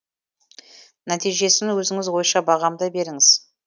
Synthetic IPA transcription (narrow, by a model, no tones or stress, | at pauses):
næt̪ijʒe̞sɪnwɵzɪŋɪzwo̞jʃɑbɑʁɑmd̪ɑbe̞ɾɪŋɪz̥